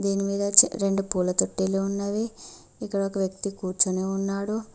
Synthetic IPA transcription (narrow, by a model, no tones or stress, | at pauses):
d̪iːnimiːd̪ɐɾe̞ɳɖupuːlɐt̪oʈːeːloːunːaːʋeː | ikːɐɽɐokɐʋjɐk̚t̪ikuːɾt͡ʃɐneːunːaːɽu